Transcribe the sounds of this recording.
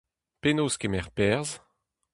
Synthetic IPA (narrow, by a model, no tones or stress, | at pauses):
penoːskemɛʁpɛʁz